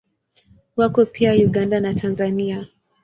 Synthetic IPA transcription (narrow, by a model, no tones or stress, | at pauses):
wakɔpʰiajuɠandanatʰanzania